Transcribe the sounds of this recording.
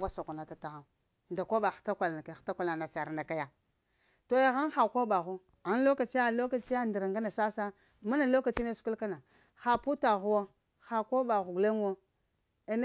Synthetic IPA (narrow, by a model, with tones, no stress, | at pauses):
ɡa˦sa˨ku˨na˨ta˨ta˨ɣa˨ | nda˨kʷo˦ba˨xta˦kʷa˨la˨ka˨xta˦kʷa˦la˨na˨sa˨ɾna˨ka˦ja˨ | to˨ja˨ɣa˦n˦xa˨kʷo˦ba˨ɣu˦ | a˨n˦lo˦ka˨t͡ʃi˦ja˦˨lo˦ka˨t͡ʃi˦ja˦ndi˨ɾa˨ŋɡa˦na˨sa˦sa˦ | ma˦na˨lo˦ka˨t͡ʃi˦ne˦su̥˨˦ku˦lka˦na˨ | xa˨pu˦ta˨ɣu˦wo˦ | xa˨ko˦ba˨ɣu˨ɡle˦ŋ˦wo˦ | e˨n˦